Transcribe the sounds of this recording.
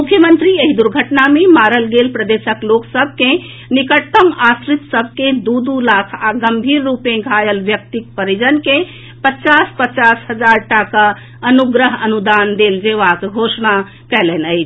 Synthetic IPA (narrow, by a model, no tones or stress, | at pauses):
mukʰːjəmənt̪ɾieɦid̪uɾɡʱəʈnamemaɾəlɡelpɾəd̪esəkloksəb̚ʱke | nikəʈt̪ːəmasɾit̪səbʱked̪ud̪ulakʰaɡəmbʱiɾːupẽɡʱajəlʋjək̚t̪ik̚pəɾid͡ʒənke | pət͡ʃaspət͡ʃasɦəd͡ʒaɾʈaka | ənuɡɾəɦənud̪and̪eld͡ʒeʋakɡʱosna | kɛlɛnəɪt͡ʃʰ